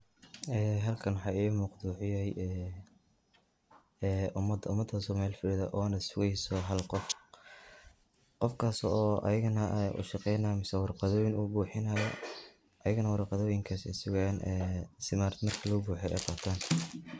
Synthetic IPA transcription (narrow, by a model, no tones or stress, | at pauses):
ɛːɦɐlkʰɐnwħɑːiːmʊqd̪uːħɪjɛjɛ | ʔʊmɐd̪ʊmɐd̪ɐsɔmaːlfɪɽɪðɐʔɔːnɐsʊɣɛjsɔɦɐlqɔf | qɔfkʰaːsɔːʔɐ̰jɪɣɐnɐʔʊ̰ʃɑqɛjnɐmɪsɛwɑrqɑðɔːjɪnuːbuːħɪnɐːjɔ | ʔɐjɪɣnɐwɑɾqɑðɔːjɪŋkʰaːsɪsʊɣaːnɛːsɪmaːrd̪mɐrkʰɐlɐɣʊbuːħɛjɛ̰jqɑbt̪ʰaːn